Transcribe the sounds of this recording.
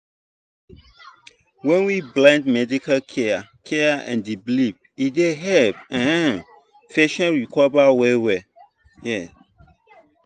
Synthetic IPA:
wɛ̃nwiblãndmɛdikalkʰɛakʰɛaɛ̰̃ndiblip̚ | ideɦɛpɛ̃hɛ̃ | fɛʃɔ̃nɹikɔbawɛwɛ | jɛ

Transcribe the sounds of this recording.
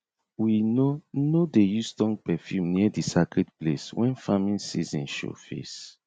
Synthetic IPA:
winonodejustɔ̃ŋ̚pɛfjumniədisakɹɛdpleswɛ̃nfamĩnsizĩnʃo̰fḛs

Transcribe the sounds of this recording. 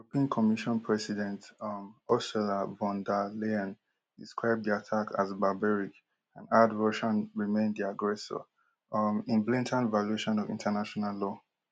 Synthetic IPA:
uopĩãnkʰɔmiʃɔ̃npʰɹɛsidɛ̃ntmɔstɛlavɔ̃ndaleãn | diskɹaɪb̚diatʰaka̰zbabɛɹik | ãnadɹɔʃɔ̃nɹimẽndðiaɡɹɛsɔ̰ | ĩnblĩntʰə̃nvalueʃɔ̃nɔvḭ̃ntʰanaʃɔnallɔ

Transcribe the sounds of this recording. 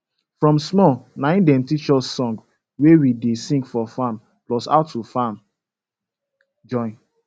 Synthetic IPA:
fɹɔ̃msmɔnãɪ̃ndɛ̃mtit͡ʃɔsːɔ̃ŋɡ | wewidesĩŋɡfɔfãm | plɔsa̰ʊtːufãm | d͡ʒɔ̃ɪ̃n

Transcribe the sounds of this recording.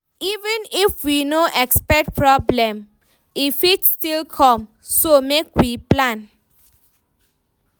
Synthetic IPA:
ivɛ̃nifwinoʔɛkspɛk̚t̚pʰɹɔblɛ̃m | ifitstilkʰɔ̃m | somekwiplãn

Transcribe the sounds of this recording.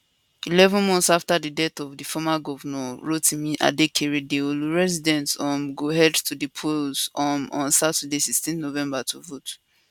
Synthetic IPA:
ilɛvə̃nmɔ̃nθsaftadidɛtɔvdifɔmaɡɔvanɛ̃ɹotĩmiʔa̰dekʰeɹidewilɹɛzidɛ̃ntɔ̃mɡoɦɛdtʰudipʰulzɔmɔ̰̃nsatadesistɛ̃nnovɛ̃mbatʰuvot

